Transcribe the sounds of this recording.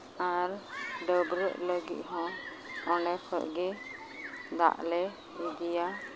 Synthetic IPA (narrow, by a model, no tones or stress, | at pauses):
aɾɖəbɾəʔləɡḭt̪̚ɦɔ̃ | ɔnɛkʰəʔɡɛ | d̪a̰ʔlɛ | id̪ija